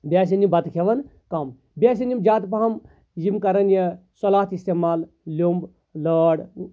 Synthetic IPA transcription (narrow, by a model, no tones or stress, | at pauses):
bʲaːs̬inimbɐt̪kʰeʋɐn | kɐm | bʲaːs̬inimd͡ʒaːt̪pɐɦɐm | jimkɐɾɐnjesɔlaːt̪ist̪emaːl | lʲomb | ləːɽ